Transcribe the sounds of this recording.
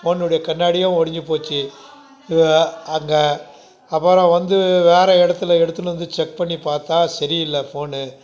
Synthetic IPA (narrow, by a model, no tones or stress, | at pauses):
foːnːʊɽɐjɐkɐɳːaːɽɪjãɔɽɪɲd͡ʒɯpoːt͡ʃːɯ | ɐŋɡɐ | ɐpːɐɾɐ̃ʋɐnd̪ɯʋeːɾɐɪɽɐt̪ːɯlɐɛɽɯt̪ːɯlɯʋɐnd̪ɯt͡ʃɛk̚pɐɳːipaːɾt̪ãːsɐɾɪɪlːɐfoːnɯ